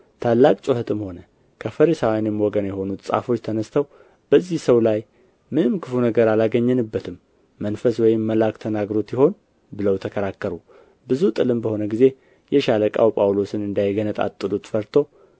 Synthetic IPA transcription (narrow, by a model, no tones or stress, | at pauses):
t̪ʰalːakʼt͡ʃʼʊhɨt̪ʰɨmho̞nə | kʰəfəɾisawjanjɛmwɔɡənjɛho̞nut̪sʼa̰fo̞t͡ʃːt̪ʰənəst̪ʰəw | b̥əzːihsəwlaj | mɨnɨmkʰɨfunəɡəɾalaɡəɲːɛnɨbːət̪ʰɨmː | ənfəswɔjɪmːəlakt̪ʰənaɡɾo̞t̪jɪho̞n | bɨləwt̪ʰəkʰəɾakːəɾu | bɨzut̪ʼɨlɨmbəho̞nəɡize | jɛʃaləkʼa̰wpʼawlo̞sɨnɨnd̪ajɡənət̪ʼa̰t̪ʼːɨlut̪fəɾt̪ʰo̞w